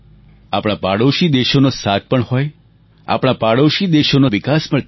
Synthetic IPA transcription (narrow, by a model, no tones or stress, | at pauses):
a̰pɽ̃apaɽoʃid̪eʃonosat̪̚pəɳɦoj | a̰pɽ̃apaɽoʃid̪eʃonoʋɪkaspəɭ